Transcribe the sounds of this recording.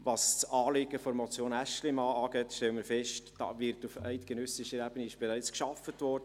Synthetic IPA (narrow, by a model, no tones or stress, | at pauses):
ʋɑst͡sɑːleɡəfɔɾmɔt͡sjoːnæʃlɪmɑːɑːɡɛtʃtɛləmɪɾfɛʃtd̥ɑ̰ːvɪɾtufɛɪtɡ̥ɛnœsɪʃəɾɛb̥əniɪʃb̥ɛɾɛɪt͡skʃɑfətvɔrdə